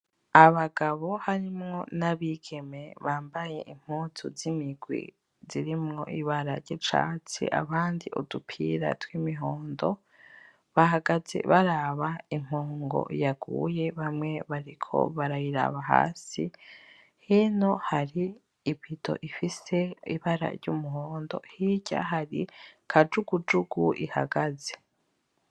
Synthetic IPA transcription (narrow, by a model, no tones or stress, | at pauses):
aβaɡaβo̞haɾimŋo̞naβiɡe̞me̞βaːmbaje̞̰ʔim̥huːtʰuzimiɡwḭ | ziɾimŋo̞̰ʔiβaɾaɾɟet͡ʃa̰t͡sḭʔa̰βaːndiʔodupʰḭɾa̰twimiɦoːndo̞ | βaɦaɡazḛβaɾaβaim̥hoːŋɡo̰jaɡṵje̞βamŋe̞βaɾikʰo̰βaɾajiɾa̰βaɦa̰ːsi | hino̞haɾiː | pido̞̰ʔifise̞ḭβaɾa̰ɾɟumuɦoːndo̞̰hiɟa̰ɦaɾikʰad͡ʒuɡud͡ʒuɡuiha̰ɡaze̥